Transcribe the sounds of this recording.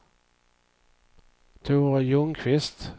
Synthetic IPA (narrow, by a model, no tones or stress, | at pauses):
t̪ʰuːʁjɵŋkʰvɪst̪